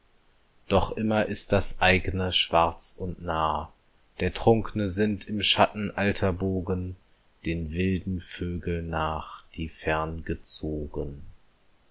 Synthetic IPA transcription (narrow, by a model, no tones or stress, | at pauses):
d̥ɔχʔɪmɐʔɪst̚d̥asʔaɪɡənəʃv̥aɐt͡sʊntnaːɐ | d̥eːɐtʁ̥ʊŋknəzɪntʰɪmʃatn̩ʔaltʰɐboːɡən | d̥eːnvɪldn̩føːɡl̩naːχd̥iːfɛɐnɡət͡soːɡən